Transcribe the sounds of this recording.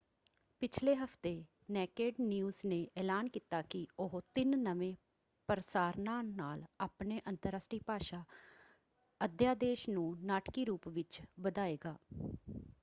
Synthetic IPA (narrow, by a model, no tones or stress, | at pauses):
pɪt͡ʃʰleːɦəft̪eː | nɛːkeːɖnjuːzneːʔɛːlaːnkiːt̪aːkɪʊɦt̪ɪnːəʋẽː | pəɾəsaːɾnaːnaːlaːpneːʔənt̪əɾəsʈiːpaːʃaː | əd̪jaːd̪eːʃnũːnaːʈkiːɾuːpʋɪt͡ʃbəd̪aːeːɡaː